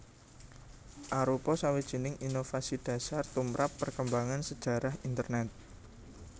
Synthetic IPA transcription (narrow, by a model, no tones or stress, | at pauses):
ʔaɾupɔsawid̥ʒ̥i̤nɪŋʔinofasid̥a̤sart̪umɾʔapːərkəmbaŋansəd̥ʒ̥a̤ɾahint̪ərnɛt̪̚